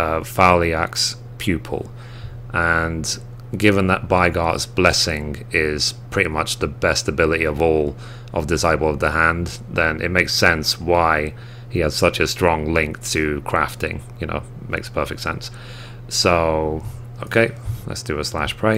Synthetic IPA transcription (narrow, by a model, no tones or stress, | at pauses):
ʌfalˠiæks | pʰj̥ʉpʰə̰l̩ˠ | ʔə̃n | ɡɪvə̃nðət̚b̥aɪɡɑɹtsb̥lɛsɪ̃ŋɪz̥pʰɹ̥ɪɾimʌt͡ʃðəbɛstəbɪlˠəɾiʌvɔlˠ | ʔʌ̰vdɪsaɪbl̩ˠʌvðəɦæ̃n | ðɨ̃nʔɪ̰t̚meɪksɛ̃nswaɪ | iɨz̥sʌt͡ʃɨstɹ̥ɔ̃ŋlɪ̃ŋk̚tʰɨkʰɹ̥æftɪ̰̃ŋjɨño̰ʊ | tmḛɪkspʰɜ˞fɪk̚tsɛ̰̃ns | soʊ | oʊkʰeɪlə̰tsd̥ɨəslæ̰ʃpʰɹ̥eɪ